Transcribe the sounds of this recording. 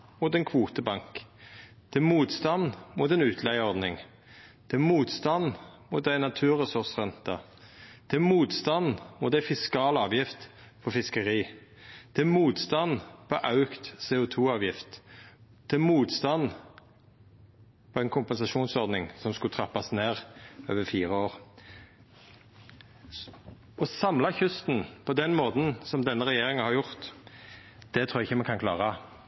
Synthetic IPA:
mʊt̪ɛnkʰʋuːt̪əbɑŋk | d̪̥ɛmuːt̪st̪ɑnmut̪ɛnʉːt̪ʰlæɪəɔʁd̪nɪŋ | d̪̥ɛmuːt̪st̪ɑnmʊt̪̚d̪æɪnɑt̪ʰʉːʁəsʊʁsʁɛnt̪ɑ | d̪̥ɛmuːt̪st̪ɑnmʊ̰t̪d̪æfɪskɑːlɑːʋjɪft̪ | fɔfɪskəʁiː | d̪̥ɛmuːt̪st̪ɑnpʰɔʔɑʉkt̪seːʊt̪ʰuːɑːʋjɪft̪ | d̪̥ɛmuːt̪st̪ɑn | pʰɔɛnkʰʊmpɛnsɑʃuːnsɔɾd̪nɪŋsɔmskʉt̪ʰʁɑpːɑsneːʁøːʋəɾfiːʁəoːʁ | ɔsɑmlɑçʉst̪n̩pʰɔd̪ɛnmoːt̪n̩sɔmd̪ɛnːəʁɛjeːɾɪŋəhɑɾjʊʁt̪ | d̪̥ɛt̪ʰɾuːɾɛɪçːəmɛnkʰɑnkʰlɑ̰ːʁɑ

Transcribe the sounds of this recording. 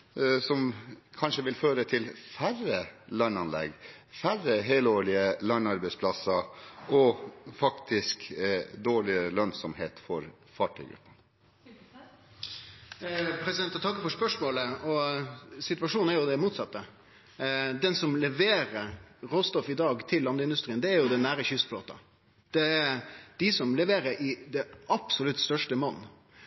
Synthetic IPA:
sɔmkʰɑnʂəʋɪlføːɾət̪ʰɪlfærəlœɳɑnlɛ̰ɡ | færəɦeːloːɭɪəlœɳɑɾbɛɪspʰlɑsəɔfɑkt̪ʰɪskd̪oːɭɪəlœnsɔmheːt̪fɔɾ | fɑːʈʰœ̰ʏɡɾʉ̰pːən | pʰɾɛsɪd̪ɛnt̪ɔt̪ʰɑkːəfɔʂpœʂmoːləɔsɪt̪ʋɑʂuːn̩æɾjʊd̪ɛmuːt̪sɑt̪ːə | d̪ɛnsɔmlɛʋeːɾəɾɾoːst̪ɔfɪd̪ɑːɡt̪ʰɪlːɑnd̪əɪnd̪ʉst̪ɾiːnd̪ɛæɾjʊd̪ɛnːæːɾəçʏst̪floːt̪ɑ̰ | d̪̥ɛɛɾd̪̥ɪsɔmlɛʋeːɾəɾɪd̪ɛʔɑpsɔlʉt̪st̪œʂʈəmɑnː

